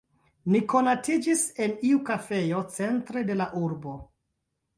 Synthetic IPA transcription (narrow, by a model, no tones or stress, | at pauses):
niko̞natid͡ʒise̞niukafe̞jo̞t͡se̞ntɾe̞de̞laʔuɾbo̞